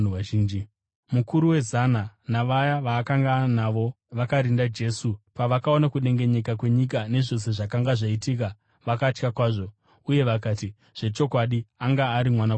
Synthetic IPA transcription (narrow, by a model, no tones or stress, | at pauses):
iːnd͡ʒi | mukuɾuwe̞zananaʋajaʋaːkaŋɡanaʋo̞ | ʋakaɾindad͡ʒe̞ːsupaʋakao̞nakuɗe̞ŋɡe̞ɲe̞kakwe̞ɲik̬ane̞ʐo̞s̬e̞ʐakaŋɡaʐaitiːka | ʋakat͡ʃkakwaːʐo̞ | uje̞ʋakaːti | ʐ̥e̞t͡ʃo̞kwaɗiaŋɡaːɾimwana